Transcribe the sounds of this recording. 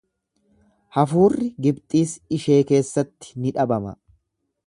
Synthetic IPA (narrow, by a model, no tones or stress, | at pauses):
hɐfuːrːɪɡɪbt̪ʼiːsɪʃe̞ːke̞ːsːɐt̪ːɪ̥nɪᶑɐbɐmɐ̰